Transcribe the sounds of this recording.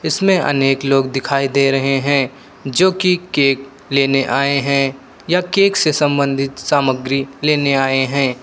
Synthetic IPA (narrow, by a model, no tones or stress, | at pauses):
ɪsmẽʔɐ̰neːkloːɡd̪ɪkʰaːid̪eːɾɐɦeɦɛ̃ː | d͡ʒoːkikeːk | leːneʔaːeɦɛ̃ | jakeːksesɐ̃mbə̃nd̪ʱɪt̪saːməɡɾileːneaːeɦɛ̃ː